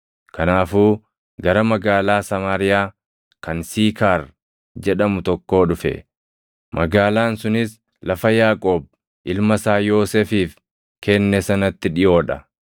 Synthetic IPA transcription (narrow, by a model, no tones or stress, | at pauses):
kɐnaːfuː | ɡɐɾɐmɐɡaːlaːsɐmaːɾɪjaː | kɐnsiːkaːɾ | d͡ʒɛᶑɐmʊt̪ɔkːo̞ːᶑʊfɛ̰ | mʔɐɡaːlaːnsʊnɪs | lɐfɐjaːkʼoːb̚ | ʔɪlmɐsaːjo̞ːseːfiːf | kɛnːɛsɐnɐt̪ːɪᶑɪjo̞ːᶑɐ